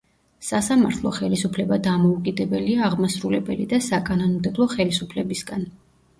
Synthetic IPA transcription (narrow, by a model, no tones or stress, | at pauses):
sasamaɾt̪ʰlˠɔ̰χɛlisupʰlɛbad̪amɔukʼid̪ɛbɛliaːʁmasɾulɛbɛlḭd̪asakʼanɔnɔmd̪ɛblˠɔχɛlisupʰlɛbisɡan